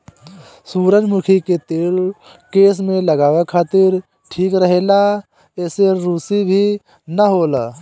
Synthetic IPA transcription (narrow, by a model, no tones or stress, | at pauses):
suːɾəd͡ʒmʊkʰiket̪eːl | keːs̬mẽləɡaːʋekʰaːt̪ɪɾ | ʈʰiːkɾəɦeːla | eːseɾuːsibʱi | nəɦoːlaː